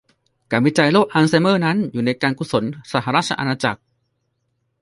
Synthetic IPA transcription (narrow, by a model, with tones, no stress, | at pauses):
kaː˧nwi˦˥t͡ɕa˧jloː˥˩k̚ʔaː˧nsa˧jmɤː˥˩na˦˥njuː˨˩na˧jkaː˧nku˧so˩˦nsaː˨˧˩ɦa˧ɾaː˥˩t͡ɕʰa˧ʔa˧naː˧t͡ɕa̰˨˩k̚